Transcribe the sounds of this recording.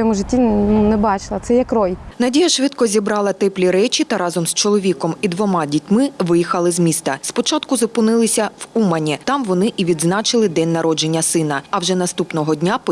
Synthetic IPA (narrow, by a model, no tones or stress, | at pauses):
ɛmʊʒɪtʲːinɛbɑt͡ʃɪlˠɐt̪sɛjɛkɾɔjnɐdʲijɐʃʋɪt̪kɔzʲibɾɑlˠɐt̪ɛplʲiɾɛt͡ʃʲit̪ɐɾɑzɔmst͡ʃɔlˠɔʋʲikɔmid̪ʋɔmɑdʲitʲmɪʋɪjixɐlˠɪzmʲist̪ɐspɔt͡ʃɑt̪kʊzɔpʊnɪlˠɪsʲɐwumɐnʲit̪ɑmʋɔnɪʔiʋʲid̪znɑt͡ʃɪlˠɪd̪ɛnʲːɐɾɔd͡ʒe̞nʲːɐsɪnɐɐwʒɛnɐst̪upnɔɦɔdʲnʲap